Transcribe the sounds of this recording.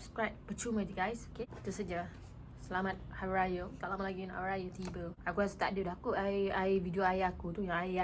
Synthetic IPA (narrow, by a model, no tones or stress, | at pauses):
sap̚skɹajp̚pət͡ʃumə̃duɡajsoket̪usəd͡ʒa | səlamat̪̚hawɾajot̪aʔlamaʔlaɡina̰wɾajət̪ibəakuast̪aʔdudaakuaaividioajiakut̪ujaaa